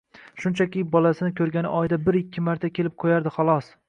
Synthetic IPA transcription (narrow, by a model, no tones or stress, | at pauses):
ʃʊnt͡ʃʰakʲɪbɒlasɪnɪkʲʰɵɾɡʲanɪ̰ʔɒjd̪abɪɾɪkʲːɪmaɾt̪ʰakʲʰe̞lɪp̚qʰojaɾd̪ɪχɒlˠɒs